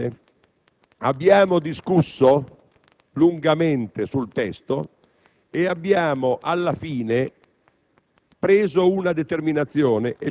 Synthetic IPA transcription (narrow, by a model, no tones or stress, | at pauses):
a̰bːjaːmod̪iskusːo | luŋɡamɛnt̪esult̪ɛst̪o | eabːjaːmoʔalːafiːne | pɾeːzounad̪et̪erminat̪sːjɔːneʔe